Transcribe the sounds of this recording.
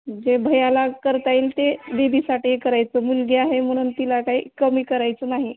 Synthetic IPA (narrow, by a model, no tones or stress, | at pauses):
d͡ʑebʱəjalakəɾt̪ailt̪ebebʱiːsaʈiːekəɾajt͡səmulɡeaɦem̤əɽ̃uːnt̪ilakaɦḭːkəmiːkəɾajt͡sənaɦi